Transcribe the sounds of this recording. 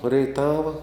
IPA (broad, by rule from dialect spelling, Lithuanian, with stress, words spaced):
rʲɛɪˈtɑːʋɐ